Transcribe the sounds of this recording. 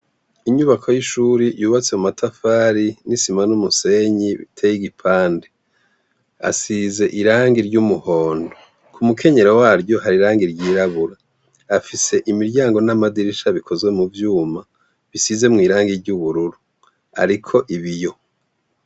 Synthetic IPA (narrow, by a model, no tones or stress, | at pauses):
iɲuβakʰojiʃuɾijuːβat͡se̞mumatʰafaːɾinisimanumuse̞ɲiβḭtʰejiɡipʰaːnde | a̰size̞ʔiɾaːŋɡiɾɟumuho̞ːndo | kʰumukʰe̞ɲe̞ɾawaːɾɟo̞ɦaɾiɾaːŋɡiɾɟiːɾaβuɾaː | fise̞ʔimiɾɟaːŋɡo̞namadiɾiʃaβikʰo̞zɡe̞muvjuːma | βisize̞mŋiːɾaːŋɡiɾɟuβuɾuɾu | a̰ɾikʰo̞ʔiβijo̞